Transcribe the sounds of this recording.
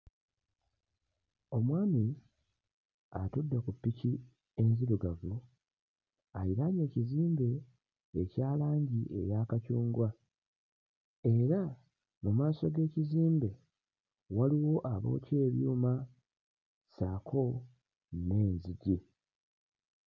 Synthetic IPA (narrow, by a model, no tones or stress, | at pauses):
o̞mwaːmi | a̰tudːakupːici | e̞nziɾuɡavu | ajiɾaɲe̞ːciziːmbe̞ː | caːlaːɲɟiʔe̞̰jakacuːŋɡwa | e̞ɾa | mumaːso̞ɡe̞ːciziːmbe̞ | waliwo̞ʔaβo̞̰ːce̞ːβjuːma | saːkʰo̞ | ne̞ːɲziɟi